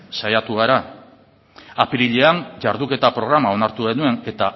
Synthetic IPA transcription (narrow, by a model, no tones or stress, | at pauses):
sajat̪uɣaɾa | apiɾiʎe̞anʝaɾðuke̞t̪apɾo̞ɣ̞ɾamao̞naɾt̪uɣe̞nue̞ne̞t̪a